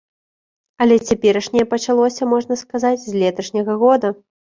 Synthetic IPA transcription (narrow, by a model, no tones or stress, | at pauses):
ɐlʲɛt͡sʲapʲɛɾɐʂnʲɛjɛpɐt͡ʂalˠɔsʲɐmɔʐnɐskazad͡zʲzʲlʲɛt̪ɐʂnʲɐɣɐɣɔd̪ɐ